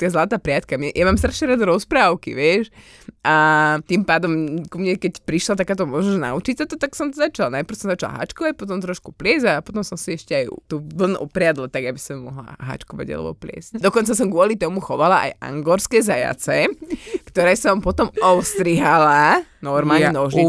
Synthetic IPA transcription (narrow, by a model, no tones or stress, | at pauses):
t̪azlat̪aːpɾɪat̪kamɲɛjamaːmst̪ɾaʃɲɛɾad̪ɔɾɔspɾaːʊkḭʋɪɛʃ | ʔat̪impaːd̪ɔmkumɲɛkɛcpɾiʃlat̪akaːt̪ɔmʊɔʒnɔʒna̰ut͡ʃicsat̪ɔt̪aksɔmt̪ɔzat͡ʃalnajpɾ̩wsɔmzat͡ʃala̰ɦa̰t͡ʃkɔʋac̚pɔt̪̬ɔmt̪ɾɔʃkuplɪɛzapɔt̪ɔmsɔmsiɛʃcɛajt̪uʋl̩nʔɔpɾɪad̪lat̪aɡabisɔmːɔɦla̰ɦa̰t͡ʃkɔʋa̰ɟa̰lɛ̰bɔ̰plɪɛ̰scd̪ɔkɔnt͡sas̬ɔmɡʋʊɔlit̪ɔmuxɔʋalaʔa̰jʔa̰ŋɡɔɾskɛzaja̰t͡sɛkt̪ɔɾɛːsɔmpɔt̪ɔmɔʊst̪ɾiɦalanɔɾmaːlɲɛnɔʒi